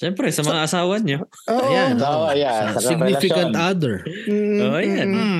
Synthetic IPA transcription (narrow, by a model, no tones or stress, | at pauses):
ʃɛmpɾɛsɐmɐŋaʔɐsaːwɐɲo | ʔʔɐjanjasɪɡnifɪkɐ̃nt̪ad̪ɛɹʔoːʔɐjan